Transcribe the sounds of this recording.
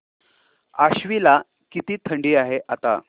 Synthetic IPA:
aɕʋila | kit̪iːt̪ʰəɳɖiːaɦeʔat̪a̰

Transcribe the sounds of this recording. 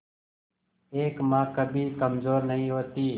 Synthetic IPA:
eːkmãːkəbʱiːkəmzoːɾnəɦĩːɦoːt̪iː

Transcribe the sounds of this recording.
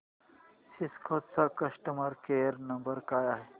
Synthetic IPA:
siskʰoːt̪sakɐsʈəmɐɾkeːɾnɐ̃mbəɾkaːjaɦe

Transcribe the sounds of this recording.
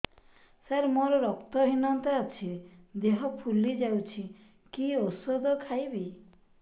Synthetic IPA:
saɾmɔɾɔɾɔkt̪ɔɦinɔnt̪ɔat͡ʃʰid̪eɦɔpʰulid͡ʒawt͡ʃʰi | kiosɔd̪ɔkʰajbi

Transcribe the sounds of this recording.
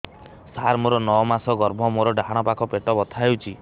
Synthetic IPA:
saɾmoɾɔnɔɔmasɔɡɔɾbʱɔmoɾɔɖaɦaɽ̃ɔpakʰɔpeʈɔbɔt̪ʰaɦewt͡ʃʰi

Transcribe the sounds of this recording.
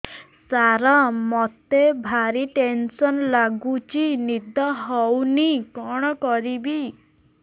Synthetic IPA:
saɾɔmɔt̪ebʱaɾiʈensɔnlaɡut͡ʃinid̪ɔɦɔwnikɔɽ̃ɔkɔɾibi

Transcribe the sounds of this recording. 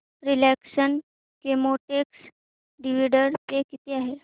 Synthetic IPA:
ɾilɛksən | kemoʈeks | ɖiʋiɖəɾt̪ekit̪eaɦe

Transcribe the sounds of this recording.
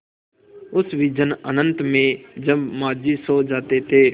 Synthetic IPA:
ʊsʋiːd͡ʒənənənt̪mẽːd͡ʒəbmaːd͡ʒiːsoːd͡ʒaːt̪eːt̪ʰeː

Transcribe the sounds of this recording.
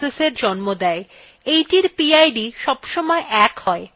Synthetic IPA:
eseɾd͡ʑɔnmod̪ɛe | ejʈiɾpiajɖiʃɔbʃɔmɔeʔɛkhɔe

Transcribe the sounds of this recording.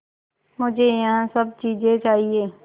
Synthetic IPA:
mʊd͡ʒʱejɐɦãsəb̚t͡ʃiːd͡ʒet͡ʃaːɦieː

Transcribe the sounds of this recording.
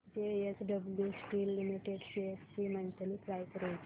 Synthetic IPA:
d͡ʒeesɖəbljusʈiːlːimiʈeɖseessimənt̪əlikɾajkəɾajt

